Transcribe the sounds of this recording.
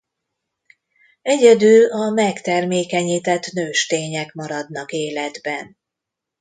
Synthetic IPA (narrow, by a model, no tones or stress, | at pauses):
ɛɟɛd̪ylɒmɛkt̪ɛrmeːkɛɲiːt̪ɛt̪nøːʃt̪eːɲɛkmɒɾɒd̪nɒkeːlɛd̪bɛn